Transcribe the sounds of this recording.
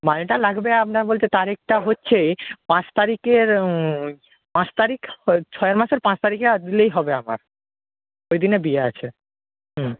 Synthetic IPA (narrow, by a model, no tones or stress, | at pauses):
maneʈalaɡbeapnabolt͡ɕʰet̪aɾek̚ʈaɦotːɕʰepãt͡ɕt̪aɾikeɾ | pãt͡ɕt̪aɾikt͡ɕʰɔeaɾmaʃeɾpãt͡ɕʰt̪aɾikad̪ilejɦɔbeama̰ɾ | ojd̪inebiea̰t͡ɕʰe | ɦ̩